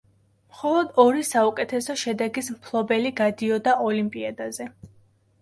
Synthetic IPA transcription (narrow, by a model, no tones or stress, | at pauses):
mχɔlˠɔd̪ɔɾisaukʼɛt̪ʰɛsɔʃɛd̪ɛɡismpʰlˠɔbɛliɡad̪iɔd̪aʔɔlimpʼiad̪azɛ